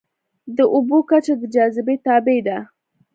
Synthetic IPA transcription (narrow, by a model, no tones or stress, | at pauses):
d̪əʔubokat͡ʃad̪əd͡ʒɑzɪbet̪ɑbed̪a